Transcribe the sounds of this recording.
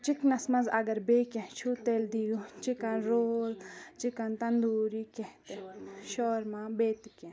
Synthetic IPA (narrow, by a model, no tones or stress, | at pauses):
t͡ʃiknɐsmɐ̃nzɐɡɐɾbeːkẽɦt͡ʃʰuːt̪eld̪ijut͡ʃikɐ̃nɾoːlt͡ʃikɐnt̪ɐnd̪uːɾikeht̪eʃɔːɾmãːbeːt̪kẽ